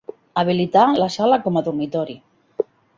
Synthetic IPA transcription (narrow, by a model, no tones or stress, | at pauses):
aβ̞ilit̪alasalakɔmaðuɾmit̪ɔɾi